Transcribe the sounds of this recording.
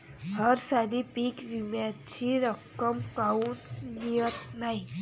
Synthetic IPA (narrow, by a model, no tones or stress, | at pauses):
ɦəɾsaɾipikʋimjat͡ʃʰiɾəkːəmkaunijət̪naĩ